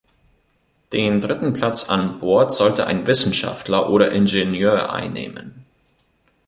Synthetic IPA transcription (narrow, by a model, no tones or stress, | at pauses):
d̥eːndʁɪtn̩pʰl̥at͡sa̰nbɔɐtz̥ɔltəʔa̰ɪnvɪsn̩ʃa̰ftlɐʔoːɾɐʔɪnʒenjøːɐʔa̰ɪnːḛːmə̰n